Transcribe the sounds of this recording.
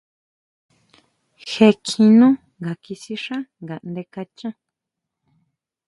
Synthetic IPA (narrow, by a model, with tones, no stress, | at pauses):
xe˧kʰĩ˧nũ˦ | ŋɡa˨ki˧si˧ʂã˦ŋɡa˨nd̪e˧ka˧t͡ʃã˦